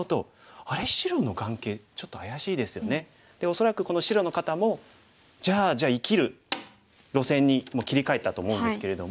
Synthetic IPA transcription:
ot̪o̞̰ | aɾe̞ɕiɾo̞no̞ɡãŋke̞ːt͡ɕo̞t̪ːo̞ajaɕiːd̪e̞sɨjo̞ne̞ | d̪̥e̞o̞so̞ɾakɯ̟ko̞no̞ɕiɾo̞no̞kat̪amo̞ | d͡ʑaːd͡ʑaːikʲiɾɯ̟ | ɾo̞sẽ̞ɲ̟ːimoːkʲiɾʲikae̞t̪ːat̪o̞ːmo̞ɯ̃nd̪esɨ̥ke̞ɾe̞d̪o̞m

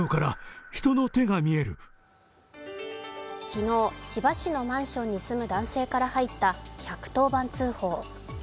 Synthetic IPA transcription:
okaɾaçi̥t̪o̞not̪e̞ɡamʲie̞ɾɯ̟̰ | çino̞ːt͡ɕibaɕino̞mãɰ̃ɕõ̞ɲ̟ːisɨmɯ̟d̪ãɰ̃se̞ːkaɾahait̪ːaçʲakɯ̥t̪o̞ːbãnt͡sɨːho̞ː

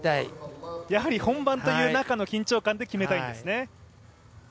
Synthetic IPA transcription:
t̪aḭjaɦaɾʲihõ̞mbãnt̪o̞jɯ̟ːnakano̞kʲĩɲ̟t͡ɕo̞ːkãnd̪e̞kʲime̞t̪aĩnd̪esɨne̞

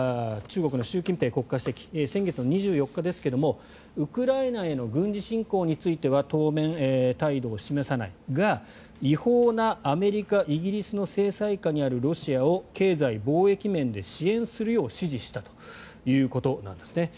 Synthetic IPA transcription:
t͡ɕɨːɡo̞kɯ̟no̞ɕɨːkʲĩmpe̞ːko̞kːaɕi̥t̪ekʲi̥sẽ̞ŋɡe̞t͡sɨnoɲ̟iʑɨːjo̞kːad̪e̞sɨ̥ke̞d̪o̞mo̞ | ɯ̟kɯ̟ɾainae̞no̞ɡɯ̟̃ɲd͡ʑiɕĩŋko̞ːɲ̟it͡sɨit̪e̞βat̪o̞ːmẽ̞net̪aid̪o̞ːɕime̞sana̰iɡa | iho̞ːnaːme̞ɾʲikaʔiɡʲiɾʲisɨno̞se̞ːsaikaɲ̟iaɾɯ̟ɾo̞ɕiao̞ke̞ːzaibo̞ːe̞kʲimẽ̞nd̪e̞ɕiẽ̞ɰ̃sɨɾɯ̟jo̞ːɕiʑiɕi̥t̪at̪o̥ | jɯ̟ːko̞t̪o̞nã̰nd̪e̞̥sɨne̞

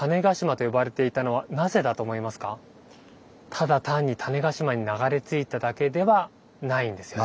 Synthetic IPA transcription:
t̪ane̞ɡaɕimat̪o̞jo̞baɾe̞t̪e̞it̪ano̞β̞anaze̞d̪at̪oːmo̞imasɨ̥ka | t̪ʰad̪at̪ãɲ̟ːit̪ʰane̞ɡaɕimaɲ̟inaɡaɾe̞t͡sɨit̪ad̪ake̞d̪e̞βa | naĩnd̪e̞sɨjo

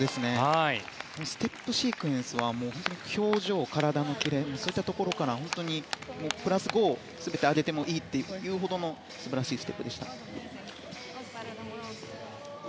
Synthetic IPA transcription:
d̪e̞sɨne̞ai | onosɨ̥t̪e̞pːɯ̟ɕiːkɯ̟ẽɰ̃sɨβamo̞ːho̞nt̪oɲikʲʰo̞ːʑo̞ːkaɾad̪ano̞kʲiɾe̞moːsoːit̪ːat̪o̞ko̞ɾo̞kaɾahõ̞nt̪o̞ɲ̟imo̞ːpɯ̟ɾasɨɡo̞ː | sɨbe̞t̪e̞ad̪e̞t̪e̞mo̞ʔiːt̪ːe̞jɯ̟ːɦo̞d̪o̞no̞ | sɨbaɾaɕiːsɨ̥e̞pːɯ̟d̪e̞ɕi̥t̪a̰

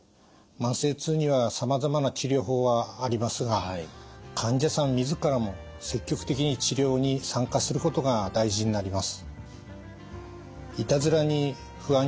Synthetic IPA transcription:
mãɰ̃se̞ːt͡sɨːɲ̟iβasamazamanat͡ɕiɾʲo̞ːɦo̞ːβaːɾʲimasɨɡa | kʰãɲd͡ʑasãmːʲizɨkaɾamo̞ | se̞kʲːo̞kɯ̟t̪e̞kʲiɲ̟it͡ɕiɾʲo̞ːɲ̟isãŋkasɨɾɯ̟ko̞t̪o̞ɡad̪aiʑiɲinaɾʲimasɨ̥ | it̪azɨɾaɲ̟i | ɸɯ̟ã

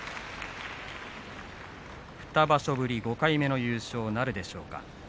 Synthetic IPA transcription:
ɸɯ̟̥t̪abaɕo̞bɯ̟ɾʲiɡo̞kaime̞no̞jɯ̟ːɕo̞ːnaɾɯ̟d̪e̞ɕo̞̰ːka̰

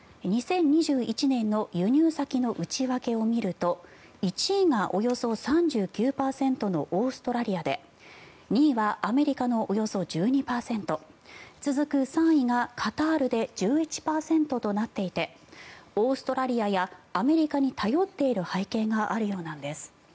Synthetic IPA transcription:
ɲ̟isẽ̞ɲ̟ːiʑɨːit͡ɕinẽ̞nːo̞jɯ̟ɲ̟ʲɨːsakʲino̞ʔɯ̟t͡ɕiβake̞o̞mʲiɾɯ̟t̪o̞ | it͡ɕiŋaʔo̞jo̞so̞sãɲ̟d͡ʑɨːkʲɨːpaːsẽ̞nt̪o̞no̞ʔoːsɨ̥t̪o̞ɾaɾʲiad̪e̞ | ɲ̟iːβaʔːme̞ɾʲikano̞ʔojo̞so̞d͡ʑɨːɲ̟ipaːsẽ̞nt̪o̞t͡sɨzɨkɯ̟sãɰ̃iŋakʰat̪aːɾɯ̟d̪e̞d͡ʑɨːit͡ɕi̥paːsẽ̞nt̪o̞t̪o̞nat̪ːe̞it̪e̞ | oːsɨ̥t̪o̞ɾaɾʲiajaːme̞ɾʲikaɲ̟it̪ʰajo̞t̪ːe̞iɾɯ̟haikẽ̞ŋɡaʔaɾɯ̟jo̞ːnãnd̪e̞sɨ̥

